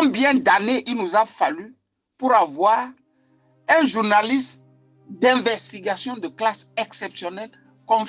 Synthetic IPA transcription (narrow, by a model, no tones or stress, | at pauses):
ɔ̃bjɛ̃d̪aneʔilnuzafaly | puɾavwaːʁ | ɛ̃ʒuʁnalist̪ | d̪ɛ̃vɛst̪iɡasjɔ̃d̪əklasɛksɛpsjɔnɛl | kɔ̃m